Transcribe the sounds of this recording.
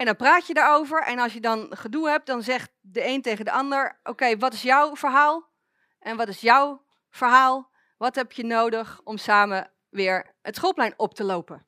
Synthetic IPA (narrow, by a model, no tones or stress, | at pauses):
ɛndɔnpraːtjədaːɹowvəɹʔɛ̰nɑlˠsjədɑnχədulˠɦɛp̚t̚dɑnzɛχt̚ | dəejntejχəndəʔɑndəɹʔowkejʋɑtɪsjɔwv̥əɹɦaːlˠ | ʔɛnʋɑtɪsjɔw | v̥əɹɦaːlˠ | ʋɑtɦɛpjənowdəχɔmsaːmə | ʋɪːɹ | ətsχolˠplɛjnɔp̚təlowpə